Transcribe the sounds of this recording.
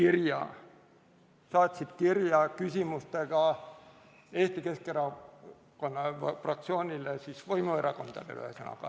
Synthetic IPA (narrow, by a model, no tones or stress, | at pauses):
kirjɑ̰ː | sɑːt̪ʲsit̪kirjɑːkysʲimust̪eɡ̥ɑ | eht̪ikeskeɾɑ | konːɑfrɑk̚t̪sioːnilːesisʋoimueɾɑkond̪̥ɑ̰lḛlæ̰senɑ̰kɑ̰